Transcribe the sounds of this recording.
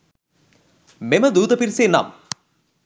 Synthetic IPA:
memɐd̪uːd̪ɐpiɾseːna̰ːm

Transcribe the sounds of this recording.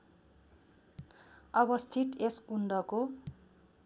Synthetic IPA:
ʌbʌst̪ʰit̪eskuɳɖʌko

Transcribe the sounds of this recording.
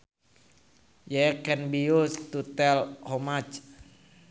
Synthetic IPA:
jɛkɛnbiust̪ut̪ɛlhomat͡ʃ

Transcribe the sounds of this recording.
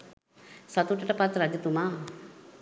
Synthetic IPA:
sat̪uʈɐʈəpat̪ɾad͡ʒɐt̪umaː

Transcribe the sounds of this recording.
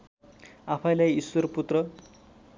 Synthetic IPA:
apʰʌjlajiswʌrput̪rʌ

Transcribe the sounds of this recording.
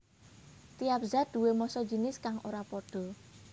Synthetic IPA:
t̪ijap̚zad̪̥ṳwemɔsɔ̥d͡ʒi̤nɪskaŋʔoɾapɔɖ̥ɔ̤

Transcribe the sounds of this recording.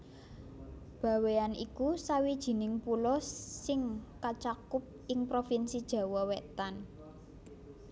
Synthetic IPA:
b̥ä̤weanḭkusawid̥ʒ̥i̤nɪŋpulɔsɪŋkat͡ʃakʊp̚ɪŋpɾofinsid̥ʒ̥ä̤wɔwɛt̪an

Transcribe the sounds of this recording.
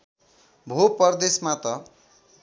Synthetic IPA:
bʱopʌrd̪esmat̪ʌ

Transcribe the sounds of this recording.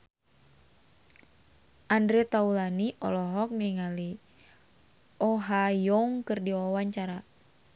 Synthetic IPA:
ʔandɾɛt̪aulaniʔɔ̰lɔɦɔk̚mɛŋali | ɔɦajɔŋkɨrdiwawaɲt͡ʃaɾa

